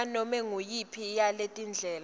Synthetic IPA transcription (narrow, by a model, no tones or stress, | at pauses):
anɔmɛŋujipʰijaletʼind͡ɮʱɛːl